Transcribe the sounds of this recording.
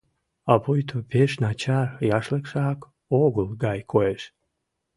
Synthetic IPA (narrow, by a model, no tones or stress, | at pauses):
ɑpojt̪ʰopeʃnɑt͡ɕɑrjɑʃlekʃɑk | oɣəlɡɑjkʰoeʃ